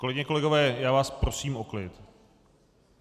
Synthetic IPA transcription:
kolɛɡɲɛko̞lɛɡo̞vɛːjaːvaːspɾosiːmoklɪ̰t̪

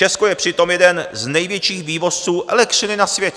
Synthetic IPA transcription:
ɛskojɛpr̥ɪt̪o̞mjɛdɛnznɛjvjɛt͡ʃiːxviːvo̞st͡suːʔɛ̰lɛkt̪r̥ɪnɪnasvjɛcɛ

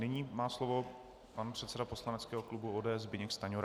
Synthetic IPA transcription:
nɪɲiːmaːslovo̞ | panpr̥ɛt̪sɛdapo̞slanɛt͡skɛːɦo̞klubuoːdɛːɛzbɪɲɛkst̪aɲoɾ

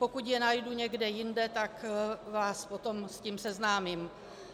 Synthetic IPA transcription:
po̞kucjɛnajduɲɛɡdɛjɪndɛt̪akvaːspot̪o̞msciːmsɛznaːmim

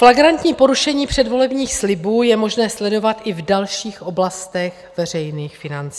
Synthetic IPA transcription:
flaɡɾant̪ɲiːpo̞ɾuʃɛɲiːpr̥ɛdvo̞lɛbɲiːxslɪbuːjɛmo̞ʒnɛːslɛdo̞vat̪ʔɪvdalʃiːxʔo̞blast̪ɛɣ | vɛr̝ɛjniːxfɪnant͡si

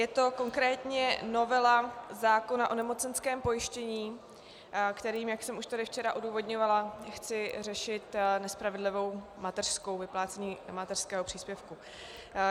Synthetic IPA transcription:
jɛt̪o̞ko̞ŋkɾɛːt̪ɲɛno̞vɛlazaːko̞naʔo̞nɛmo̞t͡sɛnskɛːmpo̞jɪʃcɛɲiː | kt̪ɛɾiːmjaksɛmuʃt̪adɪft͡ʃɛɾaʔoduːvo̞dɲovalaxt͡sɪrɛʃɪt̪nɛspɾavɛdlɪvo̞wmat̪ɛr̥sko̞wvɪplaːt͡sɛɲiːmat̪ɛr̥skɛːɦopr̥iːspjɛfku

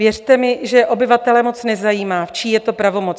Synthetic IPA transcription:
jɛr̥t̪ɛmɪʒɛʔo̞bɪvat̪ɛlɛmo̞t͡snɛzajiːmaːft͡ʃiːjɛt̪o̞pɾavo̞mo̞t͡s

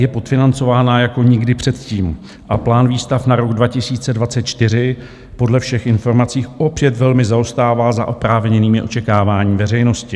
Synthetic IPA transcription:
jɛpo̞t̪fɪnant͡so̞vaːnajako̞ɲɪɡdɪpr̝̥ɛt̪ciːm | ʔaplaːnviːst̪afnaɾo̞ɡdvacɪsiːt͡sɛdvat͡sɛt̪t͡ʃt̪ɪɾ̝ɪ | po̞dlɛfʃɛxɪnfo̞ɾmat͡siːʔo̞pjɛt̪vɛlmɪzao̞st̪aːvaːzaʔopɾaːvɲɛniːmɪʔo̞t͡ʃɛkaːvaːɲiːmvɛrɛjno̞scɪ

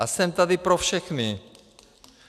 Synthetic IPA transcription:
asɛmt̪ad̪ɪpɾofʃɛxnɪ

